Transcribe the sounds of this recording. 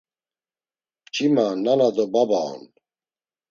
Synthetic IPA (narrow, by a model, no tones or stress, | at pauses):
t͡ʃʰimanːanad̪ɔbabaɔ̰n